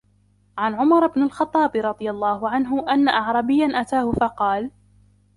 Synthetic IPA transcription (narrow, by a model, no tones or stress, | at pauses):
ʕanʕʊmɑɾˤɪbnalxɑt̪ˤːɑːbɾˤɑd̪ˤɨjalˤːɑːhʊʕanɦʊʔanːaʔɑʕɾˤɑbɪjːanʔat̪aːhʊfɑqɑːl